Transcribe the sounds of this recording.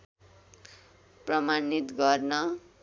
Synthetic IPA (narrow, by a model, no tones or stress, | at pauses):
prʌmanit̪ɡʌrnʌ